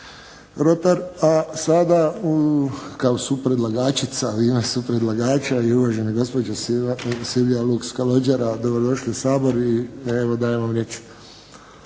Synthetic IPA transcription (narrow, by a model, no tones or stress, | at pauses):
ɾot̪aɾasad̪a | kaosupɾed̪laɡaːt͡ʃit̪saimasupɾed̪laɡaːt͡ʃaiuʋaʒeniɡo̞spod͡ʒassilʋijalukskalod͡ʒaɾad̪o̞bɾod̪o̞ʃliesaːbo̞ɾieʋod̪aːjemʋamɾjet͡ʃ